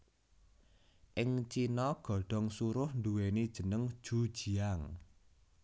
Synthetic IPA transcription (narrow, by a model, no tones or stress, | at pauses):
ʔɪŋt͡ʃinɔɡ̥ɔ̤ɖ̥ɔ̤ŋsuɾʊhnd̪uwenid̥ʒ̥ə̤nəŋd̥ʒ̥ṳd̥ʒ̥i̤aŋ